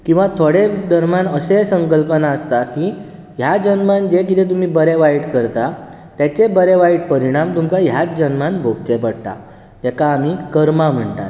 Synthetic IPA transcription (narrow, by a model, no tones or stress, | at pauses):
kĩw̃ʋat̪ʰoɽed̪əɾmjanəsesəŋkəlpənaəst̪aki | jad͡ʑənmand͡ʑekit̪et̪̬um̤iːbəɾeʋaiʈkəɾt̪a | t̪jat͡ɕebəɾeʋaiʈ̚pəɾiɽ̃amt̪umkaɦjat͡sd͡ʑənmanbʱoɡt͡ɕepəɽt̪a̰ | d͡ʑɛkaːm̤ikəɾmam̤əɳt̪a̰t̪